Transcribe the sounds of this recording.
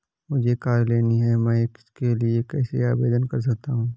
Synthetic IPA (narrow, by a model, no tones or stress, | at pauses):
mʊd͡ʒʱekaːɾleːniɦɛmɛ̃ːkɪ̥skeliekɛːseaːbḛːd̪ənkɐɾs̬ɐk̚t̪aɦũː